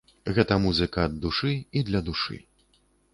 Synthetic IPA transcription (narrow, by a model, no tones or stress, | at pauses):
ɣɛt̪ɐmuzɨkɐɐd̪ːuʂɨid̪lʲɐd̪uʂɨ̰